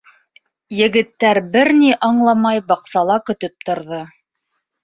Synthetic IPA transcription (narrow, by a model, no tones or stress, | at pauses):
jɘ̆ɡɘ̆t̪ːæɾbɘɾniʔɑɴlˠɑmɑjbɑqsɑlˠɑkɵ̆t̪ɵp̚t̪ŏɾðɤ